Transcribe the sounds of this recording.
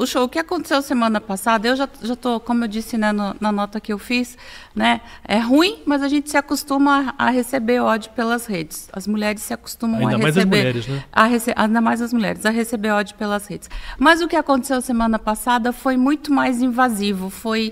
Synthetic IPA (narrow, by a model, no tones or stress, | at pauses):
ʊʃowʊkɪakõt̪e̥sewɐsemɐ̃nɐpasad̪ɐewʒaʒat̪okõmʊewd͡ʒisɪnɛnʊnɐnɔt̪ɐkɪewfis | nɛɛɦũĩmɐzɐʒẽnt͡ʃɪ̥sɪakost̪ũmɐɐɦesebeɾɔd͡ʒʊpelɐshed͡ʒɪsɐ̰zmuʎɛɾɪsːɪako̥st̪ũmɐ̃w̃aɐheajzszebeɾɛɾɪznɛa̰ɦeseʔaĩd̪ɐmajzɐzmuʎɛ̰ɾɪzɐɦesebeɾɔd͡ʒʊpelɐshed͡ʒɪsmɐzʊkɪakõt̪esewɐsemɐ̃nɐpasad̪ɐfojmũj̃t̪ʊmajzĩvazivʊfoj